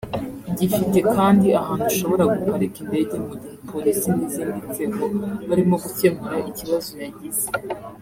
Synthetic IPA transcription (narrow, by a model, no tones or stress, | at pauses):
ɟifite̞kaːndiahaːnhuaʃo̞βo̞ɾaɡukaɾekinde̞ːɟe̞muɟihpolisiniziːndize̞ko̞βaɾimo̞ɡuce̞muɾaʔiciβazojaɟize